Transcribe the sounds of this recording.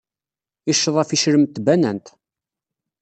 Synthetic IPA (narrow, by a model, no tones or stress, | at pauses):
iʃːəðˤæfiʃɾəmt̪ːbænænt̪